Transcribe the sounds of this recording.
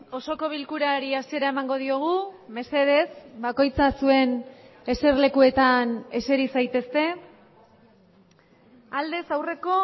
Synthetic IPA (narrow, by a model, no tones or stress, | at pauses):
o̞so̞ko̞β̞ilkuɾaɾiasie̞ɾae̞maŋɡo̞ð̞io̞ɣ̞ume̞se̞ð̞e̞sbako̞jt͡sasue̞n | e̞se̞rle̞kue̞t̪ane̞se̞ɾisajt̪e̞st̪e̞ | ald̪e̞sawre̞ko̞